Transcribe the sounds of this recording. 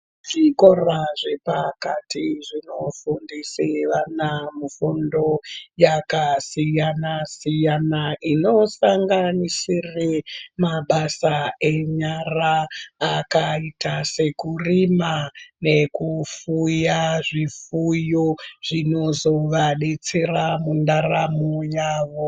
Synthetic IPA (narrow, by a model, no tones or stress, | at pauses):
ʐiko̞raʐe̞pakatiʐino̞fundiseʋanamufundo̞jakasijanasijanaʔino̞saŋɡanisiremaɓasae̞ɲaraː | kaitase̞kurimane̞kufujaʐifujoʐ̥ino̞zo̞ʋaɗet͡seramundaramojaːʋo̞